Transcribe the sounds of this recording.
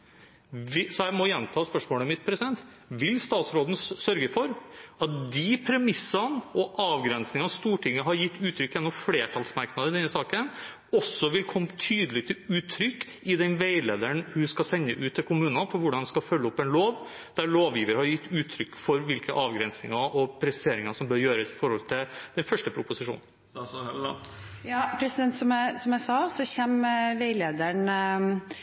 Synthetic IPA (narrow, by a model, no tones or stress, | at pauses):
ʋɪsɔjæɪmɔjɛnːt̪ʰɑːspœʂmoːləmɪt̪pʰɾɛsɪd̪ɛnt̪ | ʋɪlst̪ɑːt̪sɾoːd̪n̩sœɾɡəfɔɾɑt̪̚d̪ɪpʰɾɛmɪsənɔʔɑːʋɡɾɛnsnɪŋɑst̪uːʈʰɪŋːəɦɑɾjɪt̪ːʉːt̪ʰɾʏkːjɛnːɔmfleːʈʰɑlsmɑɾknɑd̪əɪd̪ɛnːəsɑːkən | ɔsːɔʋɪlkʰɔmːt̪ʰyːd̪əlɪt̪ʰɪlʉːt̪ʰːɾʏkː | ɪd̪ɛnʋeɪlḛːd̪əɳhʉskɑsɛnːəʔʉːt̪ːɪlkʰʊmʉːnɑfɔɾʋʊɖɑnʋskɑfœlːəɔpːɛnloːʋ | d̪̥æɭoːʋjiːʋəɾəhɑɾjɪt̪ːʉːt̪ʰːɾʏkːfɔɾʋɪlkəʔɑːʋɡɾɛnsnɪ̰ŋɑʔɔpʰɾɛsseːɾɪŋɑsɔmbœːɾjøːɾəsɪ̥fɔɾhɔlt̪ʰɪld̪̥ɛnfœʂʈəpʰɾʊpʊsɪʂṵːnn | jɑːpʰɾɛsɪd̪ɛnt̪sɔmæsɔmjæɪsɑsɔçɛmʋeɪleːd̪əɳ